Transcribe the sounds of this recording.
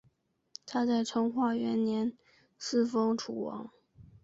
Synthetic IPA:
t̪ʰa˥t͡sa˥˩ɪʈ͡ʂʰɤ˥ŋxwa˥˩ɥɛ˧˥nnjɛ˧˥n | sɹ̩˥˩fɤ˥ŋʈ͡ʂʰu˨˩wɑ̰˧˥˦ŋ

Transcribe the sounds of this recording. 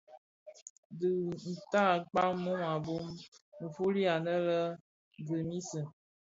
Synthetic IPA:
dɨ˨n̩˨ta˦˨k͡pa˦mo˦ma˨bo˦mn̩˨fu˦li˦a˨nə˦lə˦ | ɡɨ˨mi˦sə˨

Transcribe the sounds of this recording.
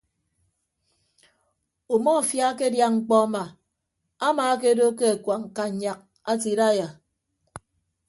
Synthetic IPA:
o˨mɔ˦a˨fja˦ke˦dja˦ŋ͡m̩˨k͡pɔ˦a˦ma˨ | a˦maː˨˦k̬e˦do˦ke˦a˨kwa˨ŋ̩˨ka˦˨ɲa˦k̚ | a˦ti˨ɾa˦ja˨

